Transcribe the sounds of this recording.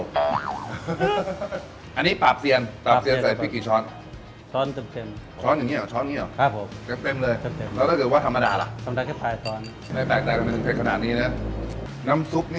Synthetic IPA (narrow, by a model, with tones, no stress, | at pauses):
ʔa˧nːiː˦˥paː˨˩p̚si˨˧ənpaː˨˩si˧əsa˨˩pʰiː˥˩kiː˨˩t͡ɕʰɔː˦˥n | t͡ɕʰɔː˦˥nt̪e˧mt̪e˧m | t͡ɕʰɔː˦˥nja˨˩ŋːi˧˥˩t͡ɕʰɔː˦˥nja˨ŋ˧˥˩kʰa˧˩pʰo˩˦mt̪e˧mt̪e˧mlɤː˧jt̪e˧me˧lɛː˦˥w̪t̪ʰaː˥˩kːt̚waː˥˩t̪ʰmːa˧daː˧la̰˨˩ʔsʰa˧mda˧kʰɛ˥˩taː˧jt̪ɔː˦˥n | ma˥˩jpɛː˨˩k̚t̪ɛː˨˩k̪a˧me˧˩pʰe˧n̚kʰnaː˨˩t̪̚niː˦˥na˦˥na˦˥msu˦˥p̚ni˥